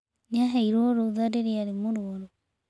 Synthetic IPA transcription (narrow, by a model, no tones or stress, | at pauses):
neaɦɛiɾwɔɾoðadeɾeaɾemoɾuɔɾo